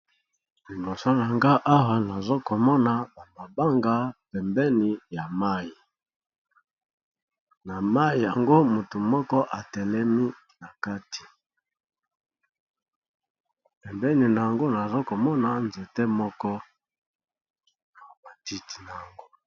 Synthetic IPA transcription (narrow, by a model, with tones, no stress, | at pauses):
li˨bɔ˨so˦n˨a˨ŋɡa˦ʔa˦wa˨na˨zo˦ko˨mɔ˦na˨ba˨ma˨ba˦ŋɡa˦pɛ˨mbɛ˦ni˨ja˨ma˦ji˨ | na˨ma˦ji˨ja˨ŋɡo˦mu˨tu˨mɔ˦kɔ˦ʔa˨tɛ˨lɛ˦mi˦ | na˨ka˦ti̥˨ | pɛ˨mbɛ˦ni˨na˨a˨ŋɡo˦na˨zo˦ko˨mɔ˦na˨nze˨tɛ˦mɔ˦kɔ˦ | na˨ba˨ti˦ti̥˨na˨a˨ŋɡo˦